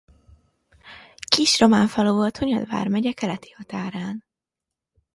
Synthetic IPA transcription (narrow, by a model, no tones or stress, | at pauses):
kiʃro̞maːɱfɒlovo̞lt̪hoɲɒd̪va̰ːrmɛɟɛkɛlɛt̪i̥ɒt̪aːɾaːn